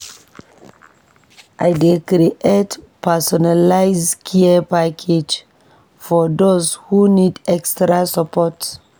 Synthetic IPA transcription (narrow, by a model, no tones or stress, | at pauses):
ʔaɪdekɾiʔet | pɛsɔnalaɪzkʰiəpakʰed͡ʒ | fɔdozhunidɛkstɹasapʰɔt